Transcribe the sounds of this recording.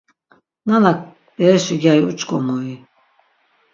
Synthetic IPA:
nanak̚ | bɛɾɛʃiɡaiut͡ʃʼkʼɔmɔi

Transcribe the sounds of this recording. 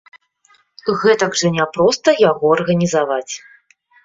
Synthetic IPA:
ɣɛt̪ɐɡʐɐnʲapɾɔst̪ɐjaɣɔɐrɣɐnʲizavat͡sʲ

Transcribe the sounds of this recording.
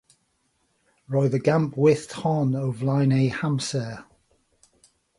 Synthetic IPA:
ɹɔɪðəɡãmpʰwɪθthɔnəvlaɪneɪhãmsɛː

